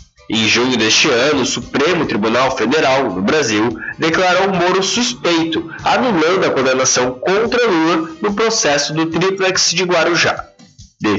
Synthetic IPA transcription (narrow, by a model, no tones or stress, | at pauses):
ẽj̃ʒũɲʊd̪est͡ʃɪɐ̃nʊːsupɾẽmʊt̪ɾibunawfed̪eɾawnʊbɾaziwd̪eklaɾowmoɾʊsuspejt̪ʊ | anulɐ̃nd̪ʊɐkõɾd̪enasɐ̃w̃kõnt̪ɾɐluɾnʊpɾosɛsʊd̪ʊt̪ɾiplɛksd͡ʒɪɡwaɾuʒa̰d̪e